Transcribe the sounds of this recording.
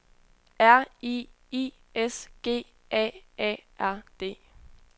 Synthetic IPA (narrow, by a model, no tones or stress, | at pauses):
æɐ̰i | i | esɡ̥e̝̰ː | ʔɛ̰ɛ̰ʔæɐ̰d̥e̝̰ː